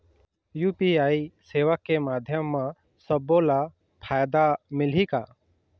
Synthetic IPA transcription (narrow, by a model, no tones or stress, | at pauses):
juːpiaːiseːʋəkːemaːd̪ʱjəmːã | səbːola | pʰaːjd̪amɪlika